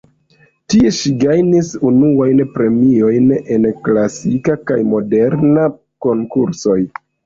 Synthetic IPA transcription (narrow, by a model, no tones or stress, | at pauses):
tieʃiɡajnisunuajnpɾe̞mio̞jne̞nklasikakajmo̞de̞ɾna | ko̞ŋkuɾso̞j